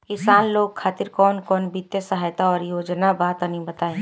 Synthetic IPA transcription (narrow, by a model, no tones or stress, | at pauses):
kɪsaːnloːɡ̚kʰaːt̪ɪɾkɔːnkɔːnbɪt̪jəsəɦaːjt̪aɔːɾjoːd͡ʒnabaːt̪ɐnĩbɐt̪aːẽ